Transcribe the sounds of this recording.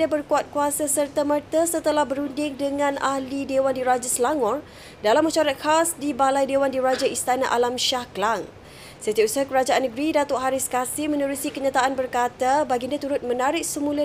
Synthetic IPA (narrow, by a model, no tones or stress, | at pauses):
abərkuat̪̚kuasasərt̪amərt̪asət̪əlahbəɾundɪŋdəŋãnahlidewandiɾad͡ʒasəlaŋɔr | dalamːəʃaɾat̪̚xasdibalajdewandiɾad͡ʒaist̪ana̰ʔalamʃahklaŋ | sət̪iausəɦakəɾad͡ʒaanːəɡɾidat̪oʔɦaɾɪskasɪhmənəɾusikəɲat̪aʔanbərkat̪abaɡindiat̪uɾʊt̪̚mə̃naɾɪk̚səmulə